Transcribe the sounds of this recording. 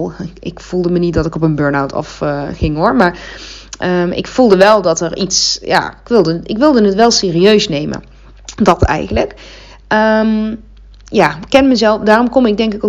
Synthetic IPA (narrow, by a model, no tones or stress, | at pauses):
ɪkfulˠdəmənit̚dɑtɪkɔp̬ənbøːɹnawtʰɑ̰fχɪŋʊɹmaːɹ | ʔəmɪ̰kfulˠdəʋɛlˠdɑtəɹitsja̰ːɪkʋɪlˠdəɪ̰kʋɪlˠdənətʋɛlˠseːriøɥsnejmə̰ | dɑtʰɛ̰jɣənlək | əm | jaːkːɛnməzɛlˠfdaːrɔmkɔmɪɡ̚dɛŋkɪko